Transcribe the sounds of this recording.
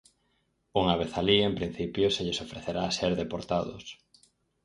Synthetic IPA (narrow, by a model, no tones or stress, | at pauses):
uŋaβ̞eθaliempɾin̟θipjoseʎesofɾeθeɾaːseɾðepoɾt̪aðʊ̰s